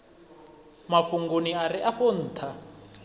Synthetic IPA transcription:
mafuŋɡuniaɾiʔaɸon̩ːt̪ʰa

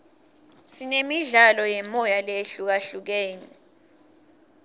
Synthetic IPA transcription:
sinemiɮalɔjɛmɔjaleɬuk̬aɬuk̬eːni

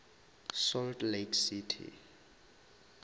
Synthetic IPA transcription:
sɔltlekʰsitʰḭ

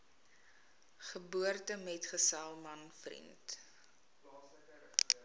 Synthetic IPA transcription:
χəbuərtəmɛtχəsælˠmɐnfrḭnt

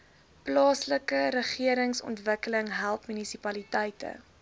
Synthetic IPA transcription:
plɑːsləkəɾəχiəɾəŋsɔ̰ntvəkələŋɦælˠpmynisipɐlitɛjtə̰

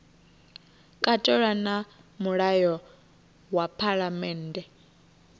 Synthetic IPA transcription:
kʼatʼɔɺana | muɺajɔ | wapʰaɺamɛːndɛ

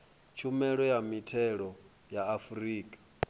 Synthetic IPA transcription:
t͡ʃʰumɛɺɔjamitʰɛɺɔ | jaːfuɾiːkʼḁ

